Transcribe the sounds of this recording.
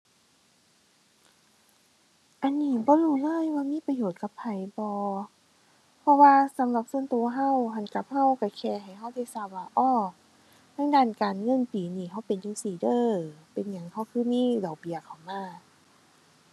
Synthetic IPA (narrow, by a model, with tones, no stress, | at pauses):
ʔa˨nːiː˧˩˨bɔː˧˦ɾuː˧˩lɤː˧˥˨jwaː˧miː˧˥˨pa˧joː˨˩t̪̚ka˧˦pʰːa˨˩˦jbɔː˧˦ | pʰɔ˧waː˧sa˨˦mla˧˦p̚su˧˨ənt̪u˧˨ɐɦa˧˥˩wɦa˧˨nka˧˦p̚ha˧˥˨wka˧˩kʰɛː˧˩ɦa˨˩jɦa˧˩˨wda˧˨jsaː˧˩waː˧˩ʔɔː˧˥˩ | t̪ʰaː˧˥˨ŋdaː˧˩˨nkaː˨nŋɤ˧˥˨npiː˨˩˦niː˧˩ɦa˧˥˩wpe˨njuː˧˩siː˨˩dɤː˧˩˨pe˨nɲa˨˧˦ŋha˧˩wkʰɯː˧˥˨miː˧˥˨dɔː˨˩wbi˨˦əkʰa˨˩wmaː˧˩